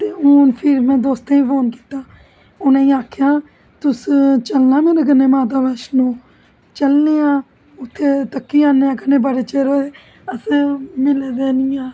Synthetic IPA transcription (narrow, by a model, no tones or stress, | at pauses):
t̪eːuːnpʰɪɾmɛ̃ːd̪oːst̪ẽĩːpʰoːnki̥ːt̪aː | ʊnãːĩːaːkʰjãː | t̪ʊst͡ʃəlnaːmeːɾeːɡəneːmaːt̪̬aːbəːʃnõː | t͡ʃəlneːãː | ʊt̪ʰːeːt̪əkːiːãːneːãːkənẽːbəɽeːt͡ʃeːɾoːeː | əsmɪleːd̪eːnɪːãː